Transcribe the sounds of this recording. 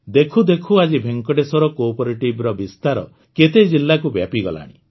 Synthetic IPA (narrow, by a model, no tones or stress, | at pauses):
d̪ekʰud̪ekʰuad͡ʒibʱeŋkɔɖesɔɾɔkopɔɾiʈibɾɔbist̪aɾɔ̰ | ket̪ed͡ʒilːakubja̰piɡɔ̰la̰ɽ̃ḭ